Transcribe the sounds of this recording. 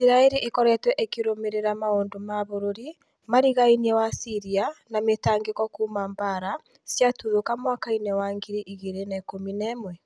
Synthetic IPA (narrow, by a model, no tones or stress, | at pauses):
sɾaeɾiʔekɔɾɛtwɛʔekiɾomeɾeɾamaoːndomaβoɾoɾi | maɾiɣainiɛwasiɾianametaːŋɡekɔkuːmambaɾa | sjatuðokamwakainɛwaŋɡiɾiʔiɣeɾenɛkominɛmwɛ